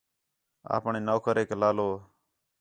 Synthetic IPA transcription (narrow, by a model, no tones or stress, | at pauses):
a̰ːpɳeːnoːkʰəɾeːklaːloː